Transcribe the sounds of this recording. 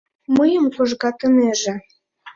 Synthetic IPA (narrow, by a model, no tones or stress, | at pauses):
məjəmkoʒɣɑt̪ə̆meʒĕ